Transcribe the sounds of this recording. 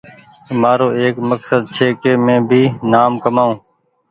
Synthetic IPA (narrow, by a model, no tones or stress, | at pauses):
maːɾoːeːkməksəd̪̚t͡ʃʰeːkeːmẽːbʱiːnaːmkəmaːũː